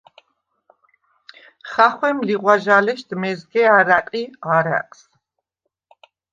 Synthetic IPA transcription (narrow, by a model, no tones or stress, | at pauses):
χaχwɛmliʁwaʒalɛʃd̪̥mɛzɡɛaɾaqʼiaɾa̰kʼs